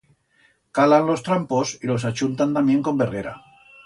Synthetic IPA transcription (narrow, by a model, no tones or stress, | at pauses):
kalanlo̞st̪ɾampo̞silo̞s̬at͡ʃunt̪ant̪amje̞ŋko̞mbereɾa̰